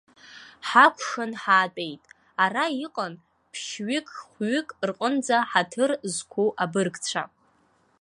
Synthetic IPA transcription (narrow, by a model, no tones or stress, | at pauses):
ħakʷʰʂanħaːtʼejtʼ | araiqʼan | pʰʃɥɪkʰʼχʷɥʏkʼrqʼənd͡zaħatʰɨrzkʷʰuʔabɨrɡʼt͡ɕʷʰa̰